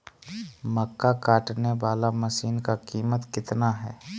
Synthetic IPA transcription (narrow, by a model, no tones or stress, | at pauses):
məkːakaːʈneʋaːlaməʃiːnkakiːmət̪kɪt̪naɦɛː